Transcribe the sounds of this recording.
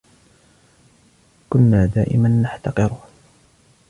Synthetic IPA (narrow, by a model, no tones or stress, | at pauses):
kʊnːaːd̪a̰ːʔɪ̰manːaħt̪ɑqɨɾ